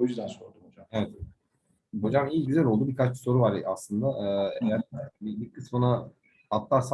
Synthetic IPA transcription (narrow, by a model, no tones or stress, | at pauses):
ojyzd̪ænsoɾd̪ubod͡ʒamevɛt̪ | bod͡ʒamhit͡ʃɟyzælʲo̞lˠd̪ubikʰat͡ʃso̞ɾuvaɾaslˠɯnd̪aʔɯːejæɾbibiɾkʰɯsmuna | at̪lˠaɾsa